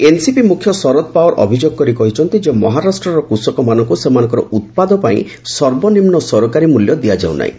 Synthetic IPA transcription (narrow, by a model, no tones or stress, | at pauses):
ensipimukʰjɔsɔɾɔt̪̚paɔɾɔ̰bʱid͡ʒoɡkɔɾikɔɦit͡ʃʰɔn̪t̪id͡ʒemɔɦaɾasʈɾɔɾɔkusɔkɔmanɔŋkusemanɔ̃ŋkɔɾɔ̰ʔut̪̚pad̪ɔpaḭ̃ | sɔɾbɔnimnɔsɔɾɔkaɾimuljɔd̪ijad͡ʒa̰w̰nʔa̰ḭ̃